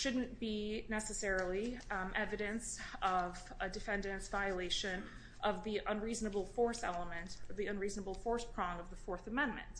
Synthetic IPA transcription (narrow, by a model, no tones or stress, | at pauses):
ʃʊdⁿn̩b̥inɛsɨsɛɹl̩ˠiʔɛvɨɾɨ̃nsʌv | ɨdɨfɛ̃ndɨ̃nsvaɪɨleɪʃɨ̃n | ʔʌvðiʔə̃nɹiznɨbl̩ˠfɔɹsɛ̰lˠəmɨ̃ntʌvðiə̃nɹiznəbl̩ˠfɔɹspʰɹ̥ɔ̃ŋʌvðəfɔɹθəmɛ̃nmɨ̰̃nt